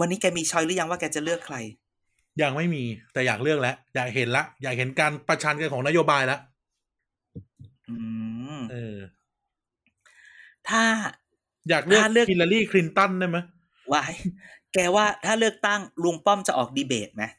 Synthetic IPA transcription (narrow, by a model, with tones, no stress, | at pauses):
wa˧nːiː˦˥kɛː˧miː˧t͡ɕʰɔː˧˥jlɯ˦˥ja˧ŋwaː˥˩kɛː˧t͡ɕa˨˩lɯ˥˩əkʰːla˧j | ja˧˩ŋ̚ma˥˩jmiː˧t̪ɛː˨˩jaː˨˩k̚lɯ˥˩ək̚lɛ˦˥ʔjaː˨˩k̚ɦe˩˦nla˦˥ʔjaː˨˩k̚ɦe˩˦nkaː˧npɾa˧t͡ɕʰaː˧nka˧kʰɔː˩˦ŋna˦˥joː˧baː˧jla˦˥ʔ | ʔɯː˧ʔɤː˧ | t̪ʰaː˥˩ | jaː˨˩k̚lɯ˩əː˥˩lɯ˥˩əkːi˧la˧liː˥˩kʰli˧nt̪ɔ˥˩ndaː˥˩jma˦˥j | wa˦˥˩jkɛː˧waː˥˩t̪ʰaː˥˩lɯ˥˩ək̚t̪a˥˩ŋlu˧ŋpɔ˥˩mt͡ɕa˨˩ʔɔː˨˩k̚diː˧beː˨˩t̪̚ma˦˥